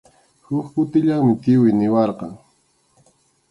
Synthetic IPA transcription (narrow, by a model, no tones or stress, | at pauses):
hʊkkʊt̪ɪʎaŋmɪt̪ɪwʊjnɪwɑɾqɑ̰ŋ